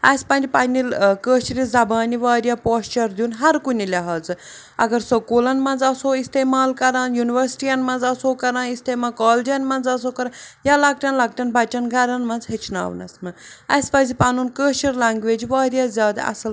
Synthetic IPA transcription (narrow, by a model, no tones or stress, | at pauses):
ɐːsʲpɐnʲdipanʲilkəːʃiɾizɐbaːniʋaːɾʲjapoːst͡ʃɐɾd̪ʲjunɦɐɾkunilʲɐɦaːd͡zɨ | ɐ̰ɡɐɾsɐkoːlɐnmɐnd͡zɐsoːist̪eːmaːlkɐɾaːnjuniʋɐɾsi̥ʈijɐnmɐnzɐsoːkɐɾãːnist̪eːmaːkaːld͡ʒɐnmɐnd͡zɐs̬oːkɐɾãjaːlɐk̚ʈʲɐnlɐk̚ʈʲɐnbɐt͡ʃɐnɡɐɾɐnmɐnzɦet͡ʃʰna̰ːʋnɐ̰smɨɐspɐːzipanunkəːʃɐɾlaːŋɡʋeːd͡ʒʋaːɾjaːzʲaːd̪ɐ̰ɐ̰sɐl